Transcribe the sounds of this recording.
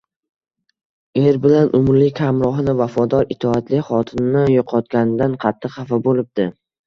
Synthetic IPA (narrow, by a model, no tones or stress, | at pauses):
eɾbɪlanʔʊmɾlɪkʲhamɾɒɦnɪvafɒd̪ɒɾɪt̪ʰɒat̪lɪχɒt̪ʰɪnnɪjoqʰɒt̪ɡʲanɪd̪anqʰɑt̪ʰːɨqχɑfabolɪb̚d̪̥ɪ